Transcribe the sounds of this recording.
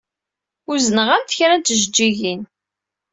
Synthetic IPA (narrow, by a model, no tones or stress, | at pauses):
ʊzənəʁænt̪çɾænt͡s̪əʒəd͡ʒːiʝin